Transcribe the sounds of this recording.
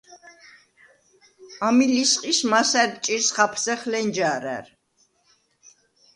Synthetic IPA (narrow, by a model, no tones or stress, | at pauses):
amilisqʼismasɛɾp̚ʼt͡ʃʼiɾsχapʰsɛχlɛnd͡ʒaɾæ̰ɾ